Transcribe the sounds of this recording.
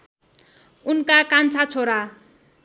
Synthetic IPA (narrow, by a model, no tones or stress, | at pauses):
unkakant͡sʰat͡sʰoɾa